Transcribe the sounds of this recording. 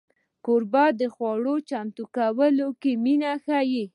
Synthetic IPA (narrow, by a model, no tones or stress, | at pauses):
koɾbɑd̪əxwɑɽot͡ʃamt̪ukawəlokeminaxaji